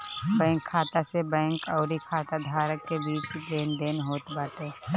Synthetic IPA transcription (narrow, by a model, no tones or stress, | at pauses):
bɛ̃ːŋkʰːaːt̪asebɛ̃ːŋkəʊɾikʰaːt̪ad̪ʱaːɾəkːebiːt͡ʃd̪eːnd̪eːnɦoːt̪baːʈeː